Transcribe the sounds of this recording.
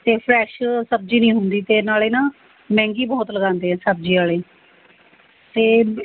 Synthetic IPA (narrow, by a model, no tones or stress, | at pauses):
t̪eːpʰɾɛːʃsəb̚d͡ʒiːnĩːɦʊnd̪iːt̪eːnaːleːnãː | mɛ̃ːŋɡiːbɔːt̪ləɡãːnd̪eːɦɛ̃ːsəb̚d͡ʒiːaːleː | t̪eː